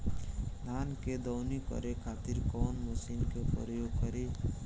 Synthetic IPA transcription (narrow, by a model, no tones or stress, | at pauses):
d̪ʱanked̪ɔːnikɔ̰ɾekʰat̪iɾkɔnmusinkepɾəjoɡ̚kɔɾi